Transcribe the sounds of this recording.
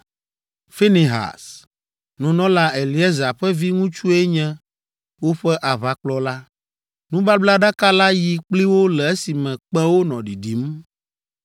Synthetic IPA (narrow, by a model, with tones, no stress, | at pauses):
fe˦ni˨ɦa̰˨s | nũ˨nɔ̃˦la˦ɛ˨li˨ɛ˦za˨ɸɛ˦vi˦ŋũ˦t͡ʃu˦ɛ˦ɲɛ̃˦ | wo˦ɸɛ˦ʔa˨βa˨k͡plɔ˦la˦ | nũ˦ba˦bla˦ɖa˦ka˦la˦ji˨k͡pli˦wo˦lɛ˨e˦si˨mɛ̃˨k͡pɛ̃˦wo˦nɔ̃˨ɖi˨ɖi˨˦m